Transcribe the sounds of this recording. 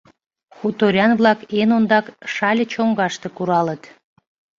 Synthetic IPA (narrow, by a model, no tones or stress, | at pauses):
xut̪oɾʲɑnβlɑkenond̪ɑkʃɑlʲət͡ɕoŋɡɑʃt̪ekuɾɑlət̪